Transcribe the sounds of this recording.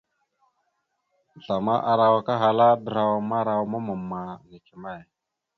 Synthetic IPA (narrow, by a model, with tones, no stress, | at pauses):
ɬa˨ma̰˦ʔa˨ɾa˨wa˦ka˦ɦa˨la˦də˨ɾa˨wa˨ma˦ɾa˨wma˦mə˨mːa˨ŋi˨t͡ʃi˨ma˦˨j